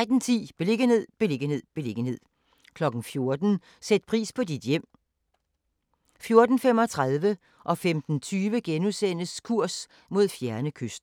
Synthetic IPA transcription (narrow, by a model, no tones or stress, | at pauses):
d̥n̩t͡sʰḭːb̥e̝le̝ɡ̥ənhe̝ð̞̰ˠb̥e̝le̝ɡ̥ənhe̝ð̰ˠb̥e̝le̝ɡ̥ənhe̝ð̞̰ˠ | kʰlɒ̽ɡ̥n̩fjo̝ɐd̥n̩ | sed̥̚pʰʁḭːspʰɒ̽did̥jem̰ | fjo̝ɐd̥n̩fem̰ɒ̽t͡sʰʁaðˠʋə | ʔɒ̽femd̥n̩t͡sʰyːʋəɡ̥enusen̰əskʰuɐ̰s | mo̝ð̞̰ˠfjæɐnəkʰøsd̥